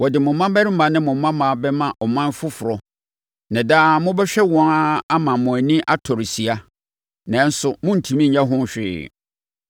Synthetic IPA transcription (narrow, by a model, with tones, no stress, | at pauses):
wɔ˨dɪ˨mʊ̃˨˦mã˦mbæ˦ɾɪ˦mã˨˦nɪ̃˦mʊ̃˨m˦mã˦mã˨bɛ˦mã˨ʔɔ˨mã˦n˦fʊ˦fʊ˨ɾɔ˨ | nã˨daː˦˨mʊ̃˦bɛ˦ɕᶣɛ˦wɔ̃˦na˦a˦mã˨mʊ̃˨æ˨nĩ˦ʔa˦tʰɔ˨ɾsi˨a˦ | nã˨˦n̩˦sʊ˨mʊ̃˦n̩˨tʰĩ˨mĩ˦ɲ̩˨ɲã˦ɦʊ̃˦n˨ɕᶣɪ̰ː˦˨